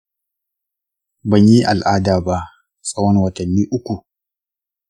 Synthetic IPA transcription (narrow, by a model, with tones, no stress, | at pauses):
bɐ˨ɲji˦ʔa̰˨lʔaː˦daː˨ba˦ʔ | sʼɐ˦wɐ˦nwɐ˨tɐ˨nːiː˦ʔʊ˦kʷu˨